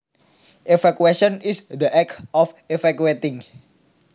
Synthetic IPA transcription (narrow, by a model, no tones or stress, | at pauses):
ʔefakueʃɔnisd̪əʔɛkʔɔfefakuet̪ɪŋ